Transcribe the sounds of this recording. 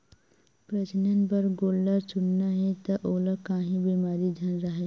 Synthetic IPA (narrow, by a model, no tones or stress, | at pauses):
pɾət͡ʃnənpəɾɡoːlːaɾt͡ʃʊnnaɦɛ̃t̪ɐʔoːləkaːɦĩbiːmaːɾid͡ʒʱɐnɾɐɦe